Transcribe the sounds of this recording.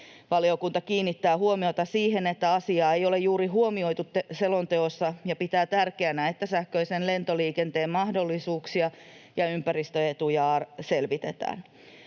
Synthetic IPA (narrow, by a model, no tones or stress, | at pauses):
ʋɑliokunt̪ɑkiːnːit̪ːæːhuomio̞t̪ɑsiːhenet̪ːæɑsiɑːejo̞le̞jjuːɾiɦuomio̞it̪ut̪ːeselont̪eosːɑjɑpit̪æːt̪ærkeænæet̪ːæsæhkøisenle̞nt̪oliːkent̪eːmmɑhdo̞lːisuːksiɑjɑympæɾist̪øet̪ujɑːselʋit̪et̪æ̰ːn